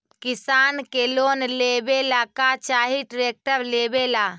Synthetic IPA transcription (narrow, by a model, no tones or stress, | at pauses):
kɪsaːnkeloːnlebelakat͡ʃaːɦiʈɾeːk̚ʈəɾleːbela